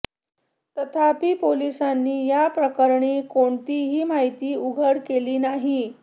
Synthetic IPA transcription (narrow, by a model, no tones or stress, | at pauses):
t̪ət̪ʰapiːpolisanːiːjapɾəkəɾɳekoɳt̪iːɦiːmaɦit̪iːuɡʱəɽkeliːnaɦi